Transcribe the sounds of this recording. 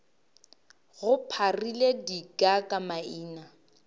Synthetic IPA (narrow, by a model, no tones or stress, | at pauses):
ɣʊpʰariledikʼakʼamaiːna